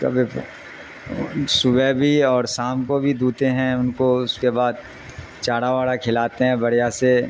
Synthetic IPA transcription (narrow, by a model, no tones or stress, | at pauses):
kɐ̰bʱi | sʊbɛbʱiɔːɾsaːmkobʱid̪uːt̪eɦɛ̃ʊnkoʊskebaːd̪̚ | t͡ʃaːɽaʋaːɽakʰɪlaːt̪eɦɛ̃bɐɽ̤ijase